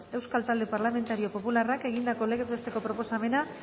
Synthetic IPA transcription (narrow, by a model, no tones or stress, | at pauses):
e̞wskalt̪ald̪e̞paɾlame̞nt̪aɾio̞po̞pularake̞ɣind̪ako̞leɣet̪est̪e̞ko̞pɾo̞po̞same̞na